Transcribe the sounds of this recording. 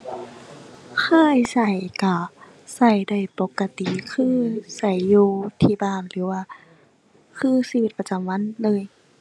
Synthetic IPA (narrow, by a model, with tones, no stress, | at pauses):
kʰaː˧˥˩jsa˧˩jka˧˩ | sa˧˩jda˧˩jpo˧˦kːa˧t̪i˨kʰɯː˧˥˨sa˧˩jːuː˧t̪ʰiː˧baː˧˩˨nlɯː˩˦waː˧˩ | kʰɯː˧˨siː˧i˧˦t̪̚pa˧t͡ɕa˨˦mwa˧˥˨nlɤː˧˨j